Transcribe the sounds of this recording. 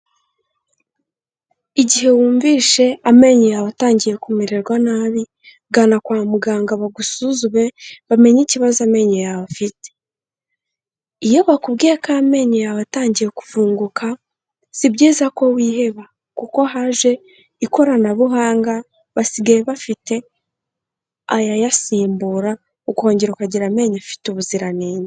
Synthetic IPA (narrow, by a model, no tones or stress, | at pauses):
iɟiɦe̞wuːɱviːʃe̞ame̞ɲejaβataːɲɟije̞kumiɾeɾɡwanaβi | ɡanakwaːmuɡaːŋɡaβaɡusuzuβe̞βame̞ɲiciβazame̞ɲejaβafite̥ | ijewakubɡiːɾakame̞ɲejaβataːɲɟijeku̥vuːŋɡukʰa | sibɟiːzako̞wiːhe̞βa | kuko̞ɦaʒwe̞ | iko̞ɾanaβuɦaːŋɡa | βasiɡajeβafite̞ | a̰jajasiːmbuɾa | okuho̞ːɲɟeɾokaɟiɾame̞ɲafi̥tuβuziɾaneːnae